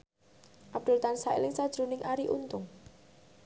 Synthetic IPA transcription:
ʔab̚d̪̥ʊ̤lt̪ansaɪ̰lɪŋsad̥ʒ̥ɾṳnɪŋʔaɾiʔunt̪ʊŋ

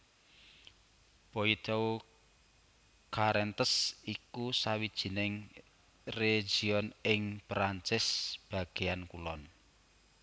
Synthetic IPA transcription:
poit̪ɔw | kaɾɛnt̪əsikusawid̥ʒ̥i̤nɪŋ | re̥ʒ̥iɔnɪŋpɾant͡ʃɪsb̥a̤ɡ̥e̤ankulɔn

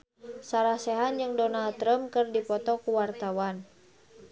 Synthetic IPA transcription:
saɾahsɛɦand͡ʒɨŋdɔnalt̪ɾəmkɨrdipɔt̪ɔkuwart̪awan

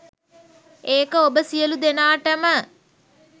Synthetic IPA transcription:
eːkəobəsijəlud̪enaːʈəmə

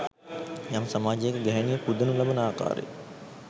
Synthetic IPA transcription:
jamsɐmaːd͡ʒjekəɡɛɦɐnijəpud̪ɐnulɐbɐnəaːka̰ːɾḛ

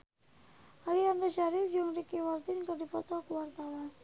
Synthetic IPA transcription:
ʔaliandaʃaɾɪfd͡ʒʊŋrikimart̪ɪnkərdipɔt̪ɔkəwart̪awan

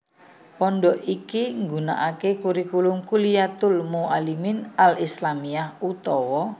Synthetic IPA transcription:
pɔnɖɔʔikiŋɡuna̰ʔakekuɾikulʊŋkulijat̪ʊlmualimɪnalislamiahut̪ɔwɔ

